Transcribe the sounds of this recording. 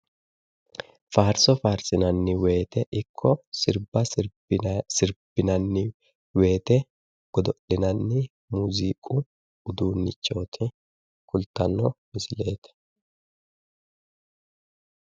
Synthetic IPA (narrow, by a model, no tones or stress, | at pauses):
faːɾsɔfaːɾsɪnɐnːɪweːt̪ɛʔɪkʰːɔsɪɾbɐ | sɪɾb̥ɪnɐnːɪ | we̞ːt̪ɛ | ɡ̥ɔd̪ɔʔɪnɐnːɪ | muːziːkʼu | ʊd̪uːnːɪt͡ʃːo̞ːt̪ʰɪ | kʊlt̪ɐnːɔmɪsɪle̞ːt̪ɛ̥